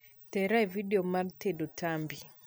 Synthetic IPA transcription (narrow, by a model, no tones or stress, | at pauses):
tɛɾaevideomartedotambi